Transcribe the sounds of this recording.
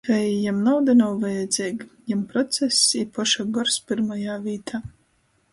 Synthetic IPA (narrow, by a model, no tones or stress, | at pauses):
vɛjjamnawd̪anawvajɛd̪zʲiːɡjampɾɔt̪sɛsiːpɔʃaɡɔɾspʲiɾmajaːvʲiːt̪ʰaː